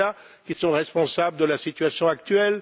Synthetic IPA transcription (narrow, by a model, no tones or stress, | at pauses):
a | kʲisɔ̃ʁɛspɔ̃sabləd̪əlasit̪ɥasjɔ̃akt̪ɥɛl